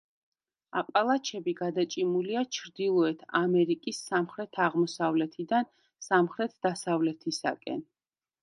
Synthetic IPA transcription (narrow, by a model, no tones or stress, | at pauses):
apʼalˠat͡ʃʰɛbiɡad̪at͡ʃʼimuliat͡ʃʰɾd̪ilˠɔɛt̪ʰamɛɾikʼisːamχɾɛt̪ʰaʁmɔsavlɛt̪ʰid̪an | samχɾɛt̪ʰd̪asavlɛt̪ʰisa̰kʼɛ̰n